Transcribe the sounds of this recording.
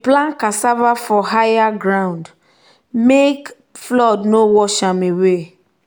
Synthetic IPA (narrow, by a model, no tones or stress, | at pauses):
plãnkasavafɔɦajaɡɾãnd | mek | flɔdnowɔʃãmewe